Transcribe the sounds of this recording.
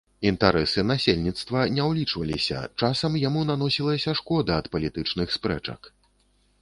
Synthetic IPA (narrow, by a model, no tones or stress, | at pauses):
int̪aɾɛsɨnasʲelʲnʲit̪st̪vɐnʲɛwlʲit͡ʂvɐlʲisʲɐ̰t͡ʂasɐmjamunan̪ɔsʲilˠɐsʲɐʂkɔd̪ɐɐt̪pɐlʲit̪ɨt͡ʂnɨxspɾɛ̰t͡ʂɐ̰k